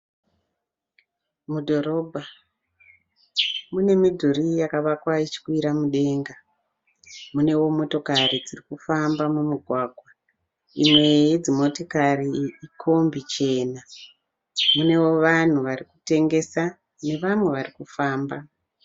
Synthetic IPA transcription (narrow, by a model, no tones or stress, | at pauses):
mudʱo̞ɾo̞bʱa | mune̞midʱuɾijakaʋakwait͡ʃi̥kwiɾamuɗe̞ːŋɡa | mune̞wo̞mo̞to̞karid͡zirikufambamumuɡʱwaːɡʱwa | imwe̞jid͡zimo̞tokariːkʰo̞mbit͡ʃe̞ːna | mune̞wo̞ʋan̤uʋarikute̞ŋɡe̞sa | ne̞ʋamwe̞ʋarikufaːmba